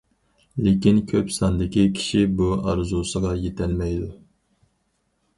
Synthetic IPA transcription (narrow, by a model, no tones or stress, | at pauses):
lekʲinkʲʰøpsɑnd̪ɪkʲikʲʰi̥ʃibuɑɾzusəʁɑjet̪ʰælmɛjd̪u